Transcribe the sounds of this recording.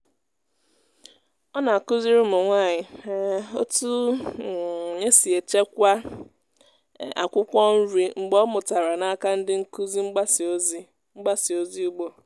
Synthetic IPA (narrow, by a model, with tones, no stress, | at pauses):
ɔ˦na˨ku˦zi˦ɾʊ˦mʊ˨ŋʷa˦˨ɲɪ˨˦o̰˦tu˦˨ | ɲe˦si˨e˨t͡ʃe˦kʷa˦ | a̰˨kʷʊ˦kʷɔ˦n̩˦ɾi˦ŋ͡m̩˨ɡ͡bɔ˦mʊ˨ta˨ɾa˨na˦ka˦n̩˦dɪ˦ŋ̩˦ku˦zi˦ŋ͡m̩˦ɡ͡ba˦so˦zi˦ | ŋ͡m̩˦ɡ͡ba˦si˨o˦zi˦u˦ɡ͡bo˦